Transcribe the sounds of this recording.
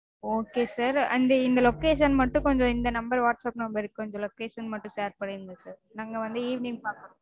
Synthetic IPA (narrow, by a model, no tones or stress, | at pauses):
oːkeːsaːɾɐ̰nd̪ɐɪnd̪ɐlɔkeːʂɐnmɐʈːʊ̃kɔɲd͡ʒõɪnd̪ɐnɐmbɐɾʋaːʈsaːpnɐmbɐɾɪkːkɔɲd͡ʒɔ̃lɔkːeːʂɐnmɐʈːʊ̃seːɾpɐɽɪɾɯnd̪ɐsaːɾnaːŋɡɐʋɐnd̪ɯiːʋniŋpaːɾk